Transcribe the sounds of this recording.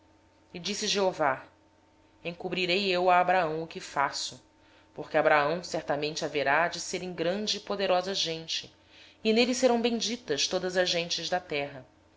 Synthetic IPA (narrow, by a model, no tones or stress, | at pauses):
id͡ʒisɪʒeova | ẽŋkubɾiɾejewaːbɾaɐ̃w̃ʊkɪfasʊ | poχkʲɪabɾaɐ̃w̃sɛɾt̪amẽnt͡ʃɪaveɾad͡ʒɪseɾẽŋɡɾɐ̃nd͡ʒɪːpod̪eɾɔzɐʒẽnt͡ʃɪ | ɪnelɪseɾɐ̃w̃bẽd͡ʒit̪ɐʃt̪od̪ɐzɐʒẽnt͡ʃɪzd̪ɐt̪ɛɦɐ